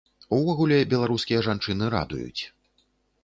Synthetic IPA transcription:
uvɔɣulʲɛbʲɛlˠaɾuskʲijɐʐant͡ʂɨnɨɾa̰d̪ṵjṵt͡sʲ

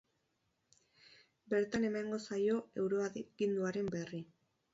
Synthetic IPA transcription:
be̞ɾt̪ane̞maŋɡo̞sajo̞e̞wɾo̞akind̪uaɾe̞mberi

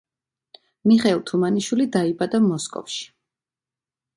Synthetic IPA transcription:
miχɛlˠt̪ʰumaniʃwilid̪aibad̪amɔskʼɔ̰fʃi̥

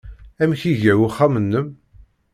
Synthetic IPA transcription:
æmçiʝəwuχːæmənːəm

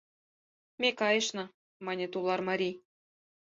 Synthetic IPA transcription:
mʲekɑjɤ̆ʃnɤ̆ | mɑnʲet̪ulˠɑrmɑɾʲi

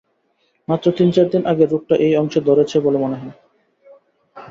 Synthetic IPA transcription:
mat̪ːɾot̪int͡ɕaɾd̪inʔaɡeɾup̚ʈaʔejɔŋʃed̪ɔɾet͡ɕʰebolemoneɦɔe

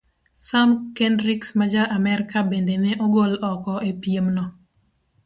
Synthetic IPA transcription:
samkendɾiksmad͡ʒaʔamɛɾkabendenɛʔɔɡolɔkɔʔepiemnɔ

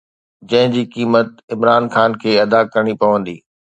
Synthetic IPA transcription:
d͡ʑɐ̃ɦɪ̃d͡ʑiːkiːmət̪̚ɪmɾaːnxaːnkʰeːɐd̪akɐɾəɽ̃ipɐʋə̃nd̪ḭː

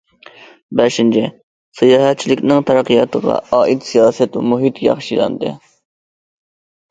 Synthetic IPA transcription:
bɛʃint͡ʃʰɪ | sɨjɑːɦɛt̪̚t͡ʃʰilɪkʲnɪŋt̪ʰɑɾɑqijɑt̪ʰəʁɑ̰ɑːʔit̪sijɑːsɛt̪muɦit̪jɑ̰χʃilɑ̰nd̪ɨ̰

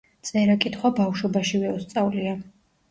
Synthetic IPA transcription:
t̪sʼɛɾakʼit̪ʰχwabafʃɔbaʃivɛɔst̪sʼavlia

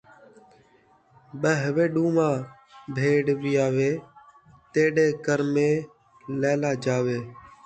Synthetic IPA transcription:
ɓəɦʋeːɗuːmãː | bʱeːɖʋiːaːʋeː | t̪eːɗeːkəɾmẽː | lɛːlaːd͡ʒaːʋeː

